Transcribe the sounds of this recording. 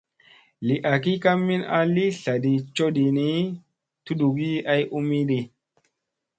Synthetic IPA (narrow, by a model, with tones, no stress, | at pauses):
li˨ʔa˨ki˦ka˦mːi˦na̰˦li˦ɬa˨ɗi˨t͡ʃo˦ɗi˨ni˦ | tu˦ɗu˨ɡi˦a˦jʔu˦mi˦ɗi˧